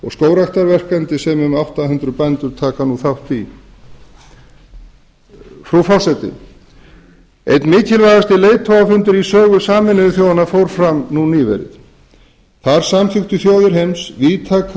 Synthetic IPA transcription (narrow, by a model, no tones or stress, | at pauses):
ɔɣskoːwɾaxt̪aɾvɛr̥kant̪ɪsɛmʏmawht̪ahʉnt̪ɾʏpɛnt̪ʏɾ̥t̪ʰaːkanuθawht̪i | fɾufɔsɛt̪ɪ̰ | ḛjt̪nmɪːcʰɪlvajɣast̪ɪleːjt̪ʰːowafʏnt̪ʏɾisœːɣʏsaːmɪnɪɪθjoːwanafowɾ̥fɾamnuniːvɛ̰ɾɪ̰ð | θaɾ̥samθɪxt̪ʏθjoːwðɪɾ̥ɦejmsviːt̪ʰaːk